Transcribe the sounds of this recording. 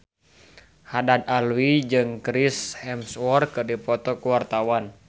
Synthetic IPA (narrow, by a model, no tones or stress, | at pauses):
hadad̪̚alwid͡ʒɨŋkɾishɛmswɔrkɨrdipɔt̪ɔkuwart̪awan